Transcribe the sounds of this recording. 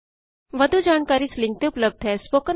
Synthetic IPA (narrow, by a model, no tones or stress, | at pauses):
ʋəd̪ʱud͡ʑaɳkaɾiːt͡sliŋk̚t̪eupləb̚d̪ʱɦɛspokən